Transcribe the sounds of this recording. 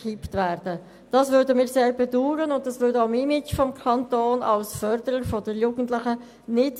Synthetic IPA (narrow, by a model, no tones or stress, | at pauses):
iptvæːɾd̥ə | d̥ɑsvʏɾdəmiːɾseːɾbɛduːɾənʊnt̚d̥ɑsʋʏːɾdoʊəmɪmɪt͡ʃfɔmkʰɑntoːnɑ̰lsfœɾdəɾəɾfɔdəɾjuːɡ̥əntlɪχə | nɪt